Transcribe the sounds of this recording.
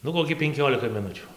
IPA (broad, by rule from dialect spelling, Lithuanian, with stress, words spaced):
ˈnʊ koːˈkʲiː pʲɛŋʲˈkʲoːlʲɪkɐ mʲɪˈnʊtʲuː